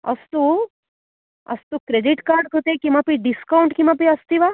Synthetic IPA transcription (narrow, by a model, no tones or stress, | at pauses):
ɐ̰st̪u | ɐ̰st̪ukɾeɖiʈkaːɾɖkət̪ekimapiɖiskawɳʈkimapiɐst̪iʋa